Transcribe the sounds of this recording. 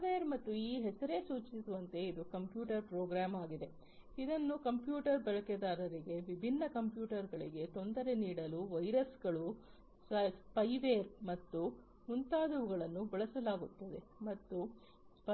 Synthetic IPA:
ʋeːɾmɐt̪ːuiːɦɛsɐɾe̞suːt͡ʃsisuʋɐnt̪e̞id̪ukɐmpjuːʈɐɾpɾoːɡɾaːmaːɡid̪e̞ | id̪ɐnːukɐmpjuːʈɐɾbɛɭɐked̪aːɾɐɾiɡe̞ʋibʱinːɐkɐmpjuːʈɐɾɡɐɭḭɡe̞t̪o̞nd̪ɐɾe̞niːɽɐluʋɐjɾɐsɡɐɭu | sɐspɐjʋeːɾmɐt̪ːu | munt̪aːd̪uʋuɡɐɭɐnːubɐɭɐsɐlaːɡut̪ːɐd̪e̞mɐt̪ːu | spɐ

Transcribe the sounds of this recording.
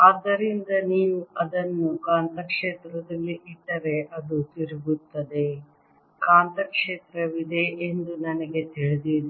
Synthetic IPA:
ɐːd̪ːɐɾind̪ɐniːʋuɐd̪ɐnːukaːnt̪ɐkʂeːt̪ɾɐd̪ɐlːiʔiɖ̪ːɐɾeʔɐd̪ut̪iɾuɡut̪ːɐd̪e̞ | kaːnt̪ɐkʂeːt̪ɾɐʋid̪e̞ʔend̪unɐnɐɡe̞t̪iɭid̪id̪

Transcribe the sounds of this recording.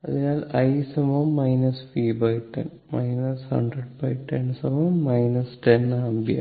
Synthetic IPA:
ɐðinaːlɐjsɐmɐmːɐjnɐsfiːbɐjʈːḛn | mɐjnɐshɐ̰ɳɖreɖbɐjʈʈːensɐmɐmːɐjnɐsʈenɐmbia̰

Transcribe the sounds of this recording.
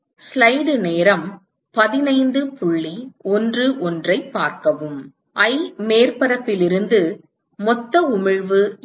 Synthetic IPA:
slɐɪɖɯneːɾɐm | pɐðɪnɐɪnd̪ɯpʊɭːiɔndrɯʔɔndrɐɪpːaːɾkɐʋɯm | ʔɐɪmeːrpɐɾɐpːɪlɪɾɯnd̪ɯ | mɔt̪ːɐʊmɪɻʋɯ

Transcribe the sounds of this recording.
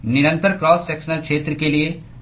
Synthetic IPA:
nɪɾə̃nt̪əɾkɾɔːssɛːksənəlkʃeːt̪ɾəkelie

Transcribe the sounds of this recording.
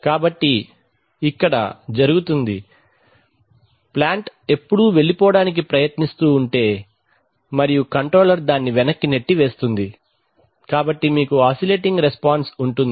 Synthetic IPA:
kaːbɐʈːiː | kːɐɽɐ̰d͡ʒɐɾuɡut̪und̪i | plaːɳʈe̞pːuɽuʋe̞ɭipɔːɽaːnik̬ipɾɐjɐt̪nist̪uːɳʈe̞ː | mɐɾijukɐɳʈɾoːlɐɾd̪aːnːiʋɛnɐkːineʈːiʋe̞ːst̪und̪i | kaːbɐʈːimiːkuaːsile̞ːʈiŋɡɾespaːnsuɳʈund̪

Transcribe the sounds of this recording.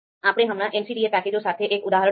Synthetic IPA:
aːpɽ̃eɦəmɽ̃ãʔɛnsiɖiepɛːkid͡ʒõsaːt̪ʰeʔeːkʊd̪aːɦəɾə

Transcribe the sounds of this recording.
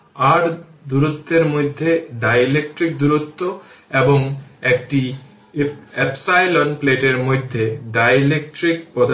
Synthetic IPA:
aɾd̪uɾot̪ːeɾmojd̪ʱːeɖajlek̚ʈɾik̚d̪uɾot̪ːoeboŋek̚ʈi | epsajlonpleʈeɾmojd̪ʱːeɖajlek̚ʈɾik̚pɔd̪

